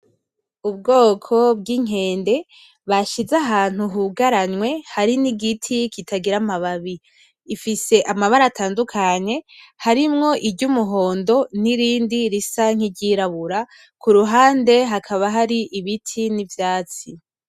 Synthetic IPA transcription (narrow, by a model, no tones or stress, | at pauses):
ubɡo̞ːkʰo̞bɡiŋ̥ɦe̞ːnde̞ | βaʃizaɦaːn̥huɦuɡaɾanŋwe̞haɾiniɡitʰikʰitʰaɡiɾamaβaβiː | fise̞ʔamaβaɾatʰaːndukʰaɲe̞haɾimŋo̞ʔiɟumuɦo̞ːndo̞niɾiːndiɾisaŋ̥iɟiɾaβuɾa | kʰuɾuɦaːnde̞ɦakʰaβaɦaɾiʔiβitʰinivjaːt͡si